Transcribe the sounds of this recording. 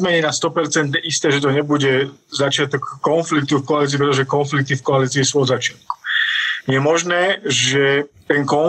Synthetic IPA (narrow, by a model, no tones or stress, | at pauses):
mɛɲɛnast̪ɔpɛɾt͡sɛnd̪ɛʔist̪ɛːʒɛt̪̬ɔɲɛbuɟɛzat͡ʃɪat̪ɔkːɔnflik̚t̪ufkɔaliːt͡s̬iːpɾɛt̪ɔʒɛkɔnflik̚t̪ifkɔaliːt͡siːsuːɔd̪zat͡ʃɪat̪̚ku̥jɛmɔʒnɛːʒɛt̪ɛnkɔ